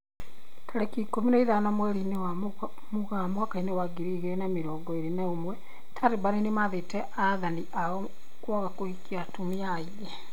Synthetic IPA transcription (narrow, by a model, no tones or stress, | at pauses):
kʰaɾɛkikominaiðanamwɛɾinewa | muɣamakainewaɡiɾiɣenamiɾɔːɡɔeɾinaomwɛ | tʰaɾebaɾinemaðetɛʔaðaniʔaɔ | kwɔɣakoikiatumiai | ɛ